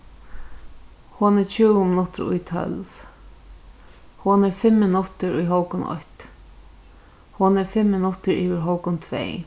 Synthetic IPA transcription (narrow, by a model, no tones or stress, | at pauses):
hʊnɛɾt͡ʃʰuːwʊmɪnʊt̪ɾʊ̰jt̪ʰœ̰lv | hʊnɛɾfɪmːɪnʊt̪ɪɾʊjɦɔwkʊnɔ̰ht̪ | hʊnɛɾfɪmːɪnʊt̪ːɪɾiːʋɪɾɦɔwkʊnt̪ʰvɛ̰ː